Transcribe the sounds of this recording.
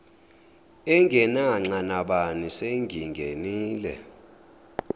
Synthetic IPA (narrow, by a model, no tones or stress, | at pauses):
ɛŋɡʱɛnaŋ͡ǀanaɓaniseŋɡʱiŋɡʱeniːlɛ̰